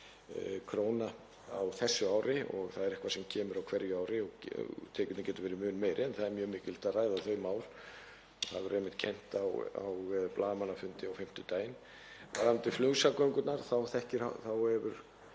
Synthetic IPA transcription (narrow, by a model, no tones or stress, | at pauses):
kʰɾoːwna | awθɛsːʏaːwɾɪɔ̰ɣθaðɛɾɛhkvasɛmcʰɛːmʏɾawkʰvɛɾjʏaːwɾɪɔɣ̰t̪ʰɛːkʏt̪cɛːt̪ʏɾvɛːɾɪmʏːnmeːjɾʔɪɛnθaðɛɾmjœːmɪːcɪlt̪araːjðaθœɥmaːwɾ̥ | ɔhaðvʏɾejmɪht̪̚cʰɛjn̥t̪awa̰wplaːðmanːafʏnt̪ɪawfɪm̥t̪ʏt̪aːjn | vaɾant̪ɪflʏɣsakœjŋkʏt̪naɾθawθɛhcɪɾa̰θawhɛvʏɾ̥